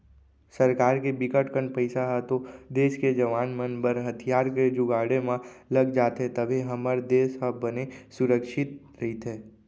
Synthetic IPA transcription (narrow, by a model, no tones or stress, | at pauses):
sɐɾkaːɾkebɪkəʈkəɳpəɪsaɦɛt̪od̪eːʃked͡ʒɐʋaːnmənbəɾɦɐt̪ʰijaːɾked͡ʒʊɡaːɽemãlɐɡd͡ʒaːt̪ɦɛt̪ɐbʱiɦɐməɾd̪eːsɦəbənesʊɾəkʃɪt̪̚ | ɾɐɦit̪ʰɦɛː